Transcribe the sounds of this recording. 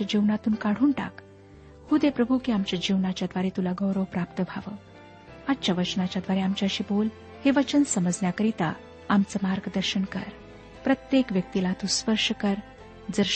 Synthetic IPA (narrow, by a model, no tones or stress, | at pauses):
ad͡ʑiʋnat̪uːnkaɽ̤uːɳʈa̰k | hud̪epɾəbʱukiamt͡ɕjad͡ʑiʋnat͡ɕad̪ʋaɾet̪ulaɡəwɾəwpɾapt̪əbʱaʋə̰ | atːt͡ɕjaʋət͡ɕnat͡ɕad̪ʋaɾeamt͡ɕaəɕiːbol | heʋət͡ɕənsəməd͡znjakəɾit̪a | amt͡səmaɾɡəd̪əɾɕənkə̰ɾ | pɾət̪jekʋjək̚t̪ilat̪uspəɾʂəkəɾ | d͡zəɾ